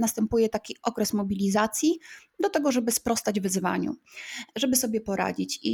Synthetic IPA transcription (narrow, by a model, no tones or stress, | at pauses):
nast̪ɛmpujɛt̪akʲiʔɔkɾɛsmɔbʲilʲizat̪sʲjid̪ɔt̪ɛɡɔʐɛbɘspɾɔst̪ad͡ʑvɘzva̰ɲṵʐɛbɘsɔbʲjɛpɔɾa̰d͡ʑit͡ɕḭ